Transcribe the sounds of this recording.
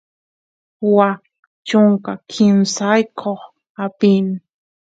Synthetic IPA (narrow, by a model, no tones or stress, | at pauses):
wa | t͡ʃʊŋkakʰɪnsajkʰoχ | apin